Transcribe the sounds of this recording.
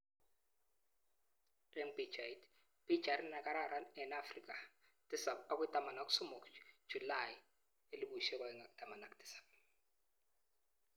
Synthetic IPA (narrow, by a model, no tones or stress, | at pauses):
rɛmbid͡ʒait | b̥id͡ʒaɾnakʼaɾaɾaɛnafrik̬ʼa | tʼisapak̬ʼɛtʼamanak̬ʼu̥sumɔkʼd͡ʒ̥ʱulaj | eliɓuʃɛkwakɛŋaktʼamanakʼtʰʼi̥sḁp̚